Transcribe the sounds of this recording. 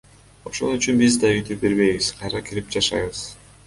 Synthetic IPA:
o̞ʃo̞̰nyt͡ʃynbizd̪ɑyt̪ʰyp̚be̞ɾβe̞jβizqʰɑjɾɑkʰiɾip̚d͡ʒɑʃɑjβɯz̥

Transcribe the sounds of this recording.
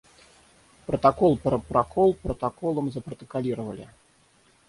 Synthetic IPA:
pɾɐt̪akɔlˠpɐpɾakʰɔlˠpɾɐt̪akɔlˠɐmzɐpɾɐt̪ɐkalʲiɾɐvɐlʲḭ

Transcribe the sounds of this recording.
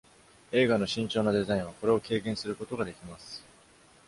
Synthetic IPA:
e̞ːɡano̞ɕĩɲt͡ɕo̞ːnad̪e̞zaĩɰ̃β̞ako̞ɾe̞o̞ke̞ːkẽ̞ɰ̃sɨɾɯ̟ko̞t̪o̞ɡad̪e̞kʲimasɨ̥

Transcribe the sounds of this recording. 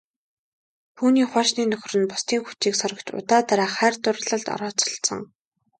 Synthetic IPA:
t̪ʰuːniːχʷwaːʃniːnɵx̆ʲrɘ̆npʊ̥st̪iːŋxut͡ɕiːksɔɾə̆kt͡ɕʊ̰t̪aːt̪aɾaːχæːrt̪ʊrɮə̆ɮt̪ɔ̰ɾɔːt͡sɔ̥̆ɬsɞ̰̆ŋ

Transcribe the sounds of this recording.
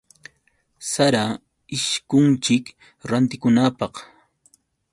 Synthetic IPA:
saɾa | ɪʃkʊnt͡ʃɪk | ɾant̪ɪkʊnaːpɑq

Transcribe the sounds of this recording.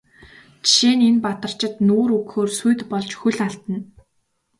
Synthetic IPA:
t͡ɕʃeːnenpat̪ə̆r̥t͡ɕɪ̆t̪noːɾɵkxoːrsujt̪pɔɮt͡ɕxuɮaɬt̪ə̆n

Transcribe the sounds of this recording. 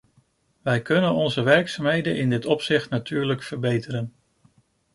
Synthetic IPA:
ʋɛjkɵnənɔnzəʋɛɹksamɦejdənʔɪndɪtɔpsɪχtnatyːɹləkfəɹbejtəɾən

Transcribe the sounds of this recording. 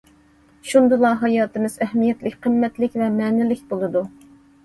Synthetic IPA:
ʃund̪ɨlˠɑɦɑjɑːt̪ɨmɨz̥ɛhmijɛt̪lɪkʲqʰəmːɛt̪lɪkʲvɛmɛːnɪlɪkʲbolˠɨd̪u

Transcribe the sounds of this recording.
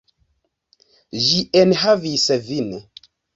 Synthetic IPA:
ʒienɦavisvin

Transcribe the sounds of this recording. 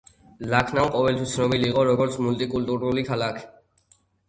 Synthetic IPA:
lakʰnamqʼɔvɛlt̪ʰwist̪sʰnɔbiliːqʼɔɾɔɡɔɾt̪sʰmult̪ʼikʼult̪ʼuɾulikʰalakʰ

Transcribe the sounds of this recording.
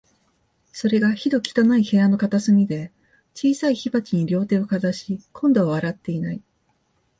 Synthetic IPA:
so̞ɾe̞ɡaçid̪o̞kʲi̥t̪anaihe̞ano̞kat̪asɨmʲid̪e̞ | t͡ɕiːsaiçibat͡ɕiɲ̟iɾʲo̞ːt̪e̞ːo̞kazaɕikʰõnd̪o̞βaβaɾat̪ːe̞inai

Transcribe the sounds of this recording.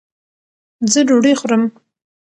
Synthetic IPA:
zəɖoɽexɾəm

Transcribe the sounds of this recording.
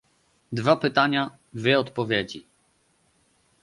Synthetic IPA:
d̪vapɘt̪aɲa | d̪vʲjɛɔt̪pɔvʲjed͡ʑi

